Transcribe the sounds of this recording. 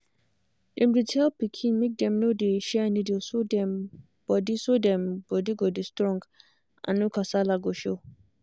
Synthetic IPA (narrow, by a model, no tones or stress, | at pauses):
dɛ̃mditʰelpikʰĩnmẽk̚dɛ̃mnodeʃɛanĩdiosodɛ̃m | b̥ɔdisodɛ̃mb̥ɔdiɡɔdistɾɔ̃ŋɡ | ã̰nʊ̃kʰasalaɡɔʃo